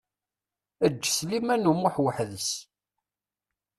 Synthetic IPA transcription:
əd͡ʒːslimænumʊħwəħðəs

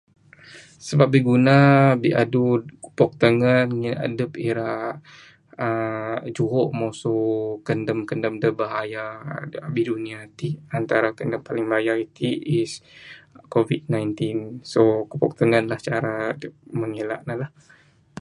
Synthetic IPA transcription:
səbap̚biɡunabiʔa̰dukəpɔk̚t̪əŋənŋiʔa̰dəpiɾa | əd͡ʒuɦɔʔmosokəndəmkəndəmdəbaɦajabidunĩat̪iʔant̪aɾakəndəmpalɪŋbaajait̪iʔis | kovid̚najnt̪insokəpɔk̚t̪əŋənlaht͡ʃaɾaməŋila̰ʔnalah

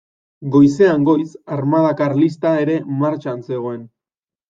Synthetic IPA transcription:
ɡo̞jse̞aŋɡo̞jsaɾmað̞akarlist̪aeɾe̞maɾt͡ʃanse̞ɣo̞e̞n

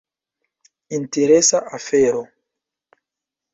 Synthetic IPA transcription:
inteɾesaʔafeɾo

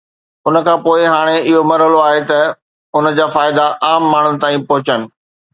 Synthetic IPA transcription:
ʊnə̆kʰãːpoːɪɦaːɽ̃eɪɦomɐɾɦəloaːɦet̪ɐ | ʊnə̆d͡ʑaːfaːɪd̪aʔaːmːaːɳ̤̃ʊnɪ̆t̪aːĩpɐɦʊt͡ɕənɪ̆

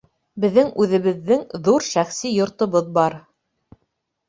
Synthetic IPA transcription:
bɘ̆ðːɘŋʉðɘ̆βɘ̆ðːɘŋðuɾʃæχsijŏɾt̪ŏβɤðbɑɾ

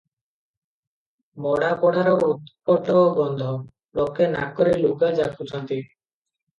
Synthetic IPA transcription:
mɔɽapɔɽaɾɔut̪pɔʈɔɡɔnd̪ʱɔ | lokːena̰kɔɾelukad͡ʒakʰut͡ʃɔnt̪i

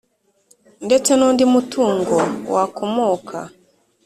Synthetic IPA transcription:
ndet͡ʃenundimutʰuːŋɡowakomoːkʰa̰

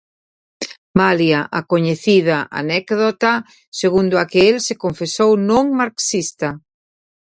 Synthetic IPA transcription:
maljaʔakoɲeθiðaʔa̰nɛkðot̪a | seɣund̪oakeelsekoɱfesownõŋmaɾksist̪ɐ

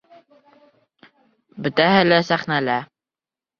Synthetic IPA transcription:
bɘ̆t̪æɦɘlæsæχnælæ

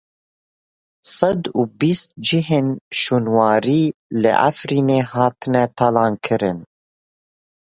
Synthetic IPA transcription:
sɨd̪ubist̪̚d͡ʒɨɦeːnʃuːnwɑːɾiːlɨ̰ʔa̰fɾiːneːhɑːt̪ʰɨnɛt̪ʰɑlɑːnkʰɨɾɨn

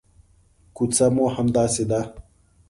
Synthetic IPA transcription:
kut͡samohamd̪ɑːsed̪a

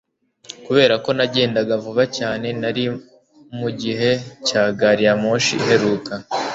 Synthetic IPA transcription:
kuβe̞ːɾako̞naɟe̞ːndaɡavuβacaːne̞naɾi | muɟiɦe̞caːɡaɾijamoːʃiɦe̞ɾuːka

